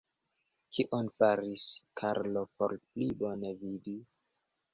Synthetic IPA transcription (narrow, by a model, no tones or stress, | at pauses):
kʰiʔonfaɾiskʰaɾlopo̰ɾplibo̞nevidi